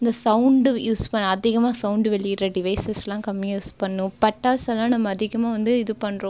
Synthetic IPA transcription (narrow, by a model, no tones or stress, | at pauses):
ɪnd̪ɐsɐʊɳɖjuːspɐɳːɐɐðɪɣɐmaːsɐʊɳɖʋɛɭːɪɪɾːɐɖɪʋɐɪsɛslãːkɐmːjjuːspɐɳːʊ̃pɐʈːaːsɐlːãːnɐmːɐːðɪɣɐmaːʋɐnd̪ɯɪðɯpɐɳːɾõː